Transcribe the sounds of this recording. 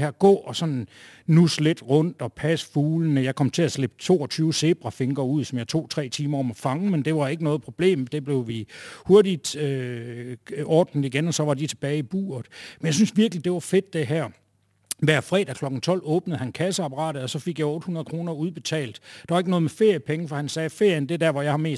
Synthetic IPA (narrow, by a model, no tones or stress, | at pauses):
hæɐɡ̥ɔ̰ːɒ̽sɒ̽n | nusled̥ʁɔ̽n̰d̥ɒ̽pʰæsfuːlənəjɑ̈ɪkʰɒ̽m̰t͡sʰe̝æsleb̥t͡sʰo̝̰ːɒ̽t͡sʰyːʊse̝b̥ʁɑfe̝ŋɡ̥ɐuð̰ˠsɒ̽mjɑ̈ɪt͡sʰo̝̰ːt͡sʰʁɛ̰ːt͡sʰiːmɐɒ̽mɒfɑ̈ŋəmend̥e̝ʋɑ̈e̝ɡ̥ənɔ̽ːð̞̩ˠpʰʁo̝b̥le̝̰ːmd̥e̝b̥le̝ʊʋiho̝ɐdid̥ø | ɒːd̥n̩ˠiɡenɒ̽sɒ̽ʋɑ̈dit͡sʰe̝b̥ɛːɪib̥ṵːɐð̩ˠmenjaɪsynsʋiɐɡ̥lid̥e̝ʋɑ̈fe̝d̥d̥e̝ɦæɐ̰ | ʋæɐ̰fʁɛ̰ːd̥ækʰlɒ̽ɡ̥ŋ̩t͡sʰɒ̽l̰ɔ̽ːb̥nəð̩ˠhænkʰæsəɑ̈pʰɐʁɑ̰̈ːd̥ð̩ˠɒ̽sɒ̽feɡ̥jɑɪɔ̽ːd̥hunɐð̩ˠkʰʁo̝ːnɐuðˠb̥e̝t͡sʰɛ̰ːld̥d̥ɑ̈ʋɑ̈e̝ɡ̥nɔ̽ːð̞̩mefe̝ɐ̰jəpʰeŋəfɒ̽hænsɛːfe̝ɐ̰jənd̥ed̥æɐ̰ʋɒ̽jɑ̈ɪhɑ̈me̝̰ːs